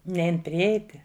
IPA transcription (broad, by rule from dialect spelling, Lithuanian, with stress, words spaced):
ˈnʲɛɪn pʲrʲɪˈɛɪtʲɪ